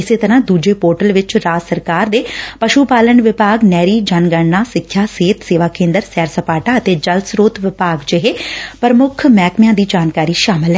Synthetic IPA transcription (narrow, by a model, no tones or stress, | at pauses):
ɪseːt̪əɾãːd̪uːd͡ʒeːpoːɾʈəlʋɪt͡ʃɾaːd͡ʒsəɾkaːɾd̪eːpəʃuːpaːlənʋɪpaːɡnɛːɾiːd͡ʒanɡəɳːaːsɪkʰːjaːseːt̪seːʋaːkẽːnd̪əɾsɛːɾsəpaːʈaːət̪eːd͡ʒəlsɾoːt̪ʋɪpaːɡd͡ʒɪɦeːpəɾəmʊkʰmɛːkmɪjãːd̪iːd͡ʒaːnkaːɾiːʃaːmɪlɦɛː